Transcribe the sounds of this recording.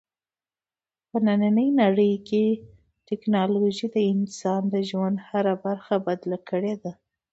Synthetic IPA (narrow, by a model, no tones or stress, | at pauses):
pənananəjnaɽəjke | tɪknɑloʒid̪əɪnsɑnd̪əʒwand̪haɾabaɾxabad̪lakʰəɽed̪a